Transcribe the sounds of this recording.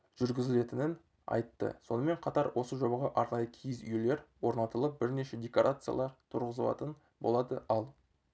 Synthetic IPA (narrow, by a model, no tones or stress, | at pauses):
ʒ̥ʏɾɡʲɪzɪle̞t̪ɪnɪn | ɑ̰jt̪ːə̰so̞nəme̞ɴqʰɑt̪ɑɾwʔo̞səʒo̞bɑʁɑʔɑɾnɑjəkʲʰijɪzʏjele̞ɾwo̞ɾnɑt̪əlˠəp̚bɪɾne̞ʃe̞d̪ʲe̞koɾʔat̪sɨja̰lˠɑɾt̪ʰʊɾʁəzəlˠɑ̰t̪ən | bo̞̰lˠɑd̪ə̰ɑlˠ